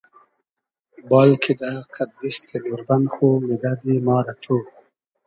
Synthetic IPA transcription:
bɑlkʰid̪aqʰad̪̚bist̪ʰenuɾbanxomɪd̪ad̪imɑːɾat̪ʰu

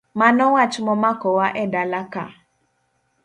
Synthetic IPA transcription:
manɔwat͡ʃmɔmakɔwaʔɛdalaka̰

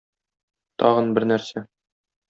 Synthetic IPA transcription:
t̪ɒʁɤ̆nbɘɾnæɾsæ

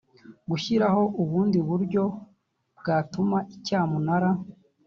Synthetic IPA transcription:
ɡuçiɾaho̞ʔuβuːndiβuɾɟo̞ | bɡaːtumaʔicaːmunaɾa

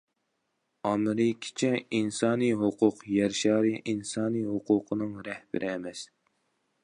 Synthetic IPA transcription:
ɑmɾɨkʲʰɪ̥t͡ʃʰɛinsɑːnijɦʊqʰʊqjɛɾʃɑːɾiʔinsɑːniɦoqʰʊːqʰənɨŋɾɛhb̥ɪ̰ɾʔɪɛmɛs

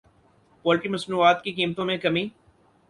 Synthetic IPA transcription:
pɔːlʈimɐsnuːaːt̪kikiːmt̪õmẽkɐmĩː

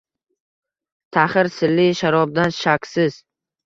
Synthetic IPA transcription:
t̪ʰaχɪɾsɪlːɪʃaɾɒb̚d̪anʃakʲsɪz̥

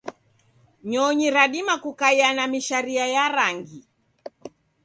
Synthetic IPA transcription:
ɲɔɲiɾaɗimakukaianamiʃaɾiajaɾaŋɡi

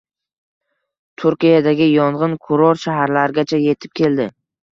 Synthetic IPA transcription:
t̪ʰʊɾkʲijad̪aɡʲɪjɒɴʁɨnkʰʊɾɒɾʃaɦaɾlaɾɪɡʲat͡ʃʰaje̞t̪ʰɪ̥p̚kʲʰe̞ld̪ɪ

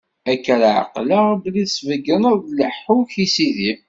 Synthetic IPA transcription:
ækːɾaʕə̰qlablisvəɡənəððləħːuçisiði

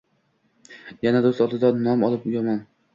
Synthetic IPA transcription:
janad̪ost̪ɒd̪ɪd̪anɒmɒlˠɪpjɒmɒn

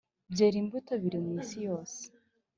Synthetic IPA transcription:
bɟeːɾiːmbutoβiɾimwiːsijo̞ːse̥

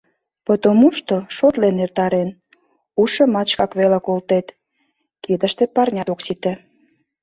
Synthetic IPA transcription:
pət̪omuʃt̪oʃot̪lenert̪ɑɾen | uʃə̆mɑt͡ɕkɑkβelekolt̪et̪ | kid̪ə̆ʃt̪ĕpɑrnʲɑt̪oksit̪ĕ

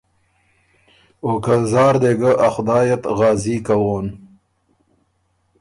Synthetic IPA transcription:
oːkɐzɑːɾd̪eɡɐʔɐxd̪ɑːjɐt̪ɣɑːziːkɐwoːn

